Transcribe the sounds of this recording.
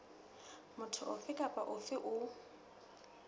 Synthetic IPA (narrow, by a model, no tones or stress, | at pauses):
mʊtʰʊʔʊfɪkʼapʼaʔʊfɪʔʊ